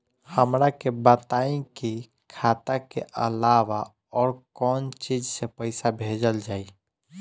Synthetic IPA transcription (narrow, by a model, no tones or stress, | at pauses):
həmɾakebət̪aĩki | kʰat̪akeʔə̰laʋa | ɔːɾkɔnt͡ʃid͡ʒsepəɪsabʱed͡ʒəld͡ʒai